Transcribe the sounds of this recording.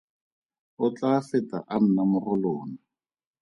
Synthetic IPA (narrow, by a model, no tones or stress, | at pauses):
ʊt͡ɬafɪta̰ʔan̩namʊrʊloːna